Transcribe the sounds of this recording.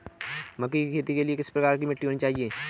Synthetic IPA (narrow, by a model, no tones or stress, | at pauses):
mɐkːikikʰeːt̪ikeliekɪspɾɐkaːɾk̬imɪʈːiɦoːnit͡ʃaːɦieː